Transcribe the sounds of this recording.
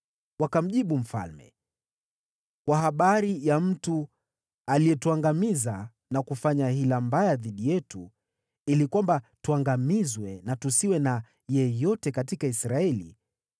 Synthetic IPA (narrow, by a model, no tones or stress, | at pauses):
wakam̩ʄiɓum̩fa̰lmɛ̰ | kwaɦaɓaɾijam̩tu | alijɛtuaŋɡamiza | nakufaɲahilambajaðiɗijɛtu | ilikwambatuaŋɡamizwɛnatusiwɛna | jɛjɔtɛkatikaisɾaɛlḭ